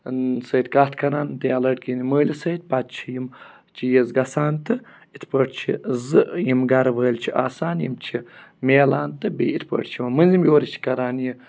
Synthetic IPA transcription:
nsɐjt̪̚kat̪ʰkɐɾaːnt̪eɐlɐʈ̚kiniməːlʲisɐjt̪̚pat̪t͡ʃʰijim | t͡ʃʰijezɡɐsaːnt̪ɨ | it̪pəːʈʰt͡ʃʰḭzɨjimɡɐɾʋəːlʲt͡ʃʰiʔa̰ːsaːnjimt͡ʃʰimeːlaːnt̪ɨbḭːit̪pə̰ːʈʰt͡ʃʰimɐmɨnʲzimjoːɾit͡ʃʰi̥kɐɾaːnji

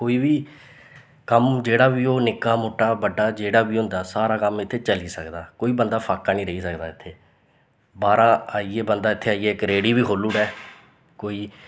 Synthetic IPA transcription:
koːiːbiː | kəmd͡ʒeːɽaːbiːoːnɪkaːmoːʈːaːbəɖːaːd͡ʒeːɽaːbiːɦʊ̃nd̪aːsaːɾaːkəmɪt̪ʰːeːt͡ʃəliːsəkd̪aːkoːiːbənd̪aːpʰaːkːaːnĩːɾəɦiːsəkd̪aːɪt̪ʰːeː | baːɾaːaːiːeːbənd̪aːɪt̪ʰːeːaːiːeːɪkɾeːɽiːbiːɦʰoːlːuːɽɛː | koːiː

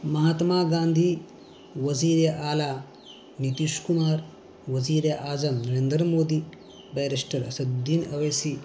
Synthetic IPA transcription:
mɐɦaːt̪maːɡaːnd̪ʱi | ʋɐziːɾjɐʔaːlaː | nit̪iʃkumaːɾ | ʋɐziːɾjɐʔaːzɐmnɐɾeːnd̪ɾɐmoːd̪iː | bɐjɾeʂʈɐɾɐsɐd̪d̪inɐʋeːsi

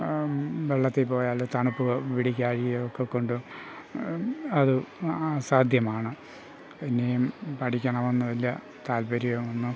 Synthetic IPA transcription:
ʋeɭːɐt̪ːepo̞ːjaːlot̪ɐɳupːuɣɐʋiɽikʲːaːɻiejokːekːo̞ɳɖu | ɐðɨasaːd̪ʱjɐmaːɳɨ | enːejumpɐʈʰikʲːɐɳɐmonːuʋɐlːɐ | t̪aːlbɐɾijɐmonːu

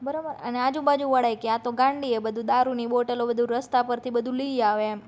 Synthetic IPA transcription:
bəɾabəɾənead͡ʒũbad͡ʒũʋəɽajkeat̪oɡãɳɖiebəd̪ʱũd̪aɾuniboʈəlobəd̪ʱuɾəst̪apəɾt̪ʰibəd̪ʱũliaʋeem

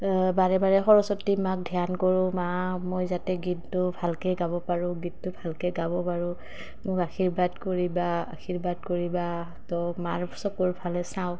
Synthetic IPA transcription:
baɹɛbaɹɛxɔɹɔsɔtːimak̚dʱijankɔɹʊmamojzatɛɡidtʊbʱalkɛɡabɔpaɹʊ̃ɡid̚tʊbʱalkɛɡabɔpaɹʊ | mʊkaxʰiɹbadkoɹibaa̰kʰiɹbad̚koɹiba | tɔmaɹsɔkuɹpʰalɛsãʊ̃

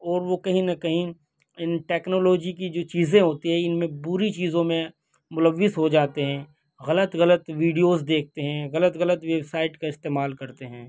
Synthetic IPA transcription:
ɔːɾʋokɐɦĩnɐkɐɦĩ | ɪnʈɛːknoːloːd͡ʒikid͡ʒoːt͡ʃiːzẽɦoːt̪iɦɛ̃ɪnmẽbʊɾit͡ʃiːzõmẽ | mʊləʋːɪsɦod͡ʒaːt̪eɦɛ̃ː | ɣɐlət̪ɣɐlət̪ʋiːɖijoːzd̪eːk̚ʰt̪eɦɛ̃ɣɐlət̪ɣɐlət̪ʋeːbsaːɪʈkaɪst̪eːmaːlkɐɾt̪eɦɛ̃ː

